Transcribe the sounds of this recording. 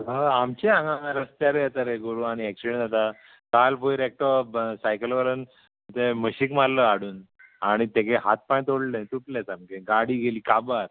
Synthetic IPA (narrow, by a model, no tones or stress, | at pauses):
ɦaamt͡ɕeãŋɡãŋãɾəst̪jaɾejɛt̪aɾeɡoɾuaɽ̃iekɕəɳd͡zat̪a | kalpojɾek̚ʈɔsajkəlʋəɾən | ət̪eməɕikmalləaɽuːn | aɽ̃it̪ekeɦat̪̚paj̃t̪oɽlẽt̪uʈlet͡samkeɡaɽiːɡeliːkabaɾ